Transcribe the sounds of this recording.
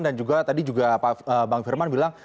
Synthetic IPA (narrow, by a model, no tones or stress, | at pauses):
ndand͡ʒuɡat̪adid͡ʒuɡapaəbaŋfirmanbilaŋ